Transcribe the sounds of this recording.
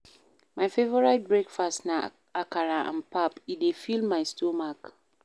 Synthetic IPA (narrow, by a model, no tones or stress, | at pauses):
majfevɔɹajt̚bɹekfastna | akaɹaʔã̰npapidefilmajstomak